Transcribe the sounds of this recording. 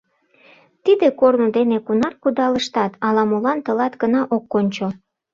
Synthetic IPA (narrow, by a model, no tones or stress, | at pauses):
t̪id̪ekornud̪enekunɑrkud̪ɑləʃt̪ɑt̪ɑlɑmulɑnt̪əlɑt̪ɡənɑʔokːonʲt͡ɕo